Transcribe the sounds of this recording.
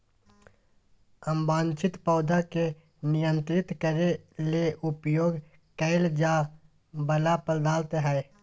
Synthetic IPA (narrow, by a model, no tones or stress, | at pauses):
əmbaːnt͡ʃɪt̪pɔːd̪ʱake | nɪjə̃nt̪ɾɪt̪kəɾeleʔʊpjoːɡ | kɛɪld͡ʒaː | bəlapəld̪aːlt̪ɦɛː